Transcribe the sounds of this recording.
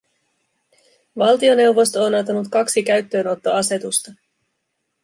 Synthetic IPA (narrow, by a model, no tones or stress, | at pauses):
ʋɑlt̪io̞ne̞wʋo̞st̪oːnɑt̪ɑnut̪kɑksikæɥt̪ːø̞ːno̞t̪ːo̞ɑse̞t̪ust̪ɑ